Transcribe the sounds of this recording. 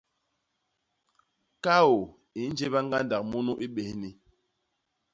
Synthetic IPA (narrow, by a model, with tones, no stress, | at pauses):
ka˦o˨ | i˨˦n̩˦d͡ʒe˦βa˦ŋ̩˦ɡa˦nda˨k̚mu˦nu˦ʔi˦ɓe˨hni˨